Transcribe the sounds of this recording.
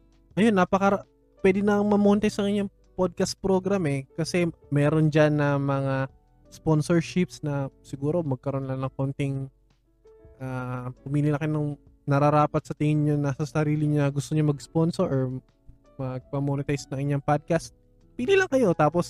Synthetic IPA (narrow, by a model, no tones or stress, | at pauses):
ʔɐjonːɐpɐkɐɾ | pwɛd̪ɪnɐŋmɐmonɪt̪ajsɐŋɪɲːɐŋ | pod̪̚kɐst̪̚pɾoɡɾamɛkɐsɛ | mɛːɾo̞nd͡ʒanːɐmɐŋa | sponsoɹʃɪpsnɐsɪɡuːɾo̞mɐɡ̚kɐɾo̞nlɐŋnɐŋkont̪ɪŋ | ʔapʊmiːlɪlɐkɐjonɐŋ | nɐɾɐɾaːpɐt̪̚sɐt̪ɪŋɪnɲonasɐsɐɾiːlɪɲɐɡʊst̪oɲomɐɡsponsoɹʔoɹ | mɐɡ̚pɐmonɪt̪ajsnɐŋɪɲːɐŋpad̪̚kɐst̪̚ | piːlilɐŋkɐjo̞t̪aːpos